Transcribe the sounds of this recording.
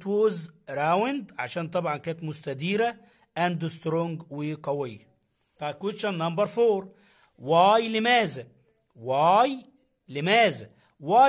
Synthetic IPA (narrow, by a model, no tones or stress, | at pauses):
t̪wozɾˤawɪnd̪ʕa̰ʃæːnt̪ˤɑbʕɑnkæːnt̪mʊst̪æd̪iːɾa | ʔænd̪ʊst̪ɾoŋɡwɪqɑwɪjːa | t̪ˤɑkut̪ʃanːɑmbɑɾˤfoːɾˤ | waːjlɪmæːzæ | waːj | lɪmæːzæ | waː